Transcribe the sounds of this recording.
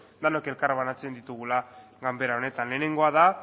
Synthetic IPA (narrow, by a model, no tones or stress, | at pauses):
d̪anoke̞lkaɾβanat͡se̞nd̪it̪uɣ̞ula | ɣambe̞ɾao̞ne̞t̪anle̞ːne̞ŋɡo̞að̞a